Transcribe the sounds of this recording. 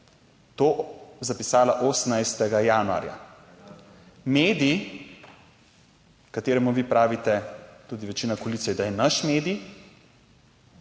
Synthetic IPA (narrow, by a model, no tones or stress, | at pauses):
t̪oːzapisaːlaʔoːsnajst̪ɛɡajaːnua̰ːɾja̰ | meːd̪ii | kat̪eːɾɛmuʋiːpɾaːʋit̪ɛt̪uːd̪iʋɛt͡ʃiːnakɔliːtsijɛd̪ajɛnaʃmeːd̪ij